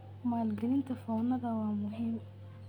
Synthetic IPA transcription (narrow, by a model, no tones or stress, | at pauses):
maːlɡɐlɪnt̪ʰɐfɔːnɐðɐwɑːmʊɦiːm